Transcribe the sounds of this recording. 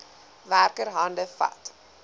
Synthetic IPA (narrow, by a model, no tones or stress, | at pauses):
værkəɾɦɐndəfɐ̰t